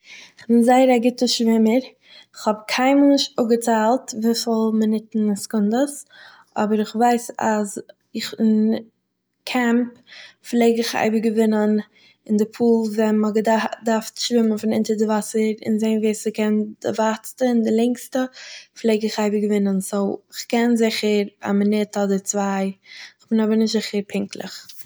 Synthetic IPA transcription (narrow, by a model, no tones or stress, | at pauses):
ɪχbɪnzaɪəɾaɡɪtəʃvɪməɾ | ɪχhɔbkʰaɪmnɪʃʊɡət͡saːlˠtviːfɪlˠmənɪtn̩skʊndəs | ʔɔbəɾɪχvaɪsa̰z | ɪχɪn | kʰɛmpflˠeɪɡɪχa̰ɪbəɡəvɪnən | ɪndɪpʰuːlˠvɛnməɡdaɾftʃvɪmənfɪnɪntəɾdɪvasəɾɪ̰nzeɪnviːsəkɛnd̥ɪ̰vat͡stəɪndɪlˠɛŋkstəflˠeɪɡɪχaɪbəɡəvɪnənsoʊɪχkɛnzɪχəɾa̰mənɪthɔdət͡svaɪɪχb̥ɪnɔbəɾnɪʃtz̥ɪχəɾpʰɪŋklˠə̰χ